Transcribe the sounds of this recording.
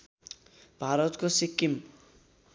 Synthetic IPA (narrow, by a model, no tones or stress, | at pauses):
b̥ʱaɾʌt̪kosikːim